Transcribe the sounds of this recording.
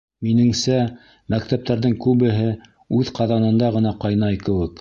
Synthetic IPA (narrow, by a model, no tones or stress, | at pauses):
minɘ̆ŋsæ | mækt̪æp̚t̪æɾðɘŋkʉβɘ̆ɦɘ | ʉðqɑðɑnɤ̆nd̪ɑʁɤ̆nɑqɑjnɑjkɘ̆wɘk